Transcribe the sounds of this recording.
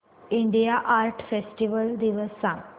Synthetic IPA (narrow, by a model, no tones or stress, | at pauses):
iɳɖijaʔaɾʈfesʈiʋəld̪iʋəsːãŋ